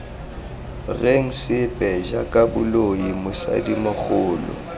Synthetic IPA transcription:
reŋ̩sɪpʼɛʒakʼabʊloimʊsa̰dimʊk͡xʊːlɔ̰

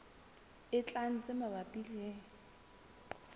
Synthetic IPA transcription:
ɪt͡ɬʼan̩t͡sʼɪmabapʼileŋ̩

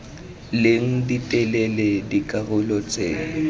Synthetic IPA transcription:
leŋ̩ditʼɛlɛledikʼaɣʊlɔt͡sʼeː

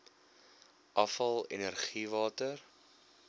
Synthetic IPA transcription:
ʔɐfɐlˠḛnərχivɑːtər

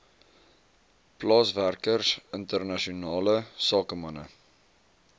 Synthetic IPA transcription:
plɑːsværkərsəntərnɐʃiunɑːləsɑːkəmɐnə̰

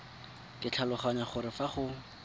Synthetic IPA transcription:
kʼɪt͡ɬʰalʊχaɲaχʊɾɪfaχʊ

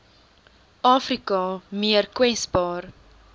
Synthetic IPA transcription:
ɑːfrikɑmiərkwɛsbɑːr

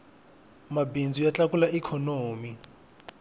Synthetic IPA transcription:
mabind͡zujat͡ɬakulaʔikʰɔnoːmi

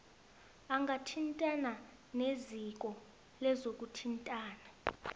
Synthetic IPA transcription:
aŋɡʱatʰintʼana | nezik̬ɔ | lɛzok̬ʼutʰintʼaːna

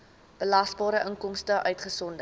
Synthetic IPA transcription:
b̥əlɐsbɑːɾəʔəŋkɔmstəʔœɥtχəsɔndə

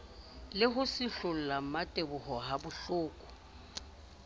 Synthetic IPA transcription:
lɪɦʊsɪɬʊl̩lam̩matʼebʊɦɔɦabʊɬʊːkʼɔ̥

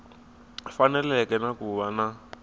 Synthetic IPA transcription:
fanɛlɛkɛnakuβana

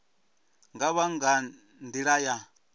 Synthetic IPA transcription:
ŋɡaβaŋɡa | ndiɺaja

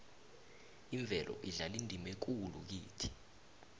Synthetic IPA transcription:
iɱbvʱɛlʔɔ̰ʔiɮalindʱimɛk̬uluk̬iːtʰi̥

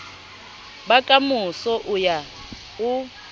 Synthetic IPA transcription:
bakʼamusɔʔuja | u

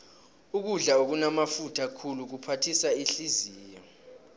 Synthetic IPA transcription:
uk̬uɮaok̬unamafutʰakʰuluk̬upʰatʰisaiɬiziːjɔ

